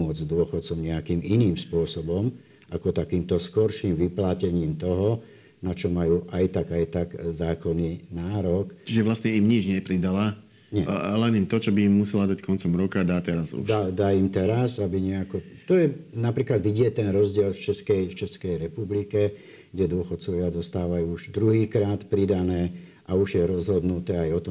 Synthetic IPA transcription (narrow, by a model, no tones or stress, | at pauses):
ʊɔd͡zzd̪ʊɔxɔt̪t͡sɔmɲɛakiːmʔiniːmspʊɔsɔbɔm | akɔt̪akiːmt̪ɔskɔɾʃiːmʋiplacɛɲiːmt̪ɔɦɔ | nat͡ʃɔmajuːʔajt̪aɡajt̪aɡzaːkɔninaːɾɔkt͡ʃiʒɛʋlasɲɛimɲid͡ʒɲɛpɾid̪ala | ɲɛlɛnimt̪ɔt͡ʃɔbiːmːusɛlad̪ackɔnt͡sɔmɾɔkad̪aːt̪ɛɾazṵdʃd̪ad̪aːimt̪ɛɾasabiɲɛakɔt̪ɔjɛnapɾiːklad̪ʋiɟɪɛt̪ɛnɾɔzɟɪɛlft͡ʃɛskɛjft͡ʃɛskɛjɾɛpublikɛ | ɡɟɛd̪ʊɔxɔt̪̚t͡sɔʋɪad̪ɔst̪aːʋajuːuʒd̪ɾuɦiːkɾaːt̪pɾid̪anɛː | ʔauʒjɛɾɔzɦɔd̪nut̪ɛːajɔt̪ɔm